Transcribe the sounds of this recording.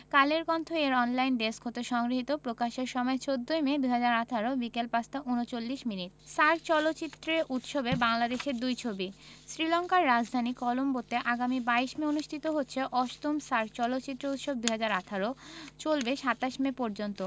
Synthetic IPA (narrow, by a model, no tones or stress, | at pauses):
kaleɾkɔnt̪ʰoeɾɔnlajnd̪eskʰot̪eʃɔŋɡɾiɦit̪opɾokaʃeɾʃɔmɔet͡ɕod̪ːojmed̪uɦad͡ʑaɾat̪ʰaɾobikelpast̪aʔunot͡ɕolːiʃminit̚saɾt͡ɕɔlotːɕit̪ːɾeɾʔut̪ʃobebaŋlad̪eʃeɾd̪ujt͡ɕʰobisɾilɔŋkaɾːad͡ʑd̪ʱanikɔlombot̪eʔaɡamibaiʃmeonuʃʈ̪ʰit̪oɦotːɕʰeʔɔʃt̪omsaɾt͡ɕɔlot̪ːɕit̪ːɾout̪ʃob̚d̪uɦad͡ʑaɾat̪ʰaɾot͡ɕolbeʃat̪aʃmepɔɾd͡ʑont̪o